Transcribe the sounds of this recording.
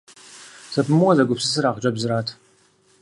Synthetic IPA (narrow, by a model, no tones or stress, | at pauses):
sɐpʰɨmɨwɔzɐɡʷʊpsɨs̬ɨɾaːʁd͡ʒʼɐbzɨɾaːtʰ